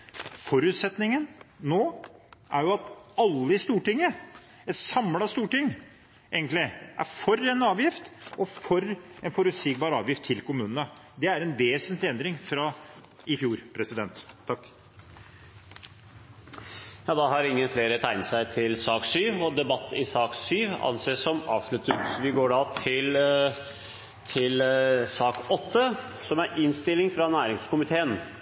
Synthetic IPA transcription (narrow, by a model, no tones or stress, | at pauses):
fɔɾʉːt̪sɛt̪nɪŋənnoːʔæɾjʊɑt̪ɑlːəɪst̪uːʈɪŋːə | ɛt̪sɑmlɑst̪uːʈɪŋː | ʔeːɡənt̪lɪʔæ̰ɾfɔɾɛnɑːʋjɪft̪ʔɔfɔɾɛnfɔɾʉt̪siːk̚bɑːɾɑ̰ːʋjɪft̪ʰːɪlkʊmʉːnənəd̪ɛæɾɛnʋeːsənt̪lɪɛnd̪ɾɪŋfɾɑ | ɪfjuːɾpʰɾɛsɪd̪ɛnt̪ʰːɑkː | jɑːd̪ɑɦɑɾɪŋːənfleːɾət̪ʰæɪnt̪sæɪt̪ʰɪlsɑːksyːʋɔd̪ɛbɑt̪ʰːɪ̰sɑːksyːʋɑ̰nseːsɔmɑ̰ːʋʂɭʉt̪ːət̪ʋɪɡoːɖɑt̪ʰɪl | t̪ʰɪlsɑːkɔt̪ːə | sɔmæɾɪnst̪ɪlːɪŋfɾɑnæːɾɪŋskʊmɪt̪ʰeːən